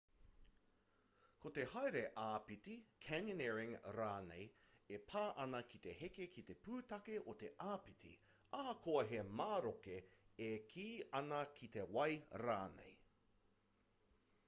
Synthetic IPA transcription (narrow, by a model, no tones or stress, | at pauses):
kot̪e̞hɐjɾeʔaːpit̪ikʰɛnonɛɹɪŋɾaːnḛjepʰaːʔɐnɐkit̪e̞hekekit̪e̞puːt̪ɐkeʔot̪e̞ʔaːpit̪ʰḭ | ɐhɐkʰoɐɦemaːɾokeekʰiːɐnɐkʰit̪ewɐjɾa̰ːnḛj